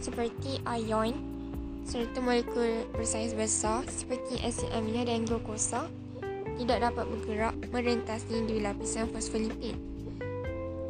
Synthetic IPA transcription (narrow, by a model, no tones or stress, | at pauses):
səpərt̪iʔajɔ̃n | səɾət̪umə̃lekulpɾəsajsbəsasə̥pərt̪iʔɛsiʔɛminãdanɡokosa | t̪idaʔ̚dapat̪̚bəɡəɾaʔmə̃ɾənt̪asidwilapisanfɔsfilimpin